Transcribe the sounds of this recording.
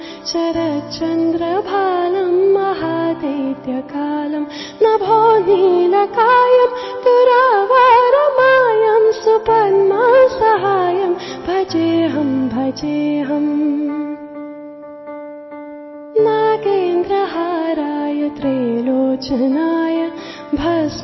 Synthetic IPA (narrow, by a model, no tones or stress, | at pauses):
t͡ʃɐɾɐt͡ʃɐnd̪ɾɐbʱaːlɐmːɐɦaːd̪ɐt̪jɐkaːlɐm | nabʱɔːnilɐkaːjɐmt̪uɾaːʋaːɾɐmaːjɐmsupɐnmasɐɦaːjɐmbʱɐt͡ʃeːɦɐmbʱɐt͡ʃeːɦɐm | nakeːnd̪ɾɐɦaɾaːjɐt̪ɾeːloːt͡ʃɐnaːjɐ | bʱɐs